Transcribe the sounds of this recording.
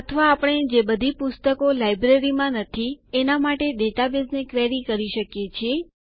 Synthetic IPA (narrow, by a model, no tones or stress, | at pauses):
ət̪ʰəʋaːpəɳ̃ed͡ʒebəd̪ʱipʊst̪əkolajbɾeɾimãnət̪ʰienamaʈeɗeʈabesnekɾɛɾikəɾiʃəkjet͡ʃʰie